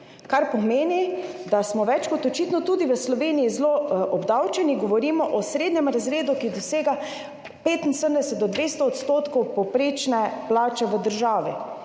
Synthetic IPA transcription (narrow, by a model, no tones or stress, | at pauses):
kaɾpɔmeːnid̪asmɔʋɛt͡ʃkɔt̪ɔt͡ʃit̪nɔt̪uːd̪iʋəslɔʋeːniizloɔbd̪awt͡ʃɛniɡɔʋɔɾiːmɔʔɔsɾeːd̪nʲɛmɾazɾeːd̪ukid̪ɔseːɡa | peːt̪insəəmd̪ɛsət̪̚d̪ɔd̪ʋest̪ɔːt̪st̪oːt̪kɔwpɔwpɾeːt͡ʃnɛplaːt͡ʃɛʋəd̪əɾʒaːʋi